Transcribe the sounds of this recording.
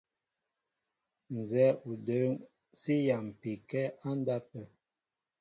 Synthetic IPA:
n˨zɛ˨˦u˨də˨˦ŋ | si˦ja˨m̩˨pi˨kɛ˦a˦n˦da˦pə˨

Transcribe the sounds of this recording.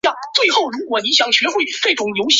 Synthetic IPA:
ɑ˥˩t͡swe˥˧ɪxo˥˩ʊɻu˧˥kwɔ˨˩ni˧˥ɕjɑ˨˩ŋɕɥɛ˧˥xwe˥˧ɪ˩fe˥˩ɪtʰʊ˧˥ŋjo˧˥ʊɕ

